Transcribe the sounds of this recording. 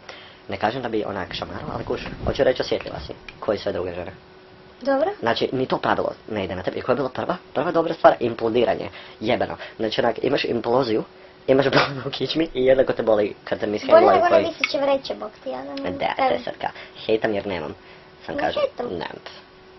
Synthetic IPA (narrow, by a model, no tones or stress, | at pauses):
nekaːʒemd̪abiʔo̰na̰kʃama̰ɾuoa̰lˠikuʃxo̰t͡ɕuɾet͡ʃosʋjet̪lʲʎʲḭla̰sḭkʰojisʋed̪ɾuɡeʒene | d̪obɾoznaːt͡ʃinit̪opɾaʋilˠo̰neid̪enat̪e̞beiko̞jebiːlˠapr̩ʋaprʋad̪o̞bɾast̪ʋaːɾimplˠud̪iːɾa̰ɲḛjebenʔo̰znaːt͡ʃionakḭmaʃḭmplˠoziju | imaʃbolnukʰit͡ʃmiʔijed̪nakot̪ebolˠikʰad̪samːiseolˠaeɡoojmisit͡ɕemɾet͡ʃɛbokt̪ijad̪d̪ḛd̪ḛset̪kʰa̰xejt̪amjeɾneːma̰m | sa̰mka̰ːʒet̪mnɛ̰mp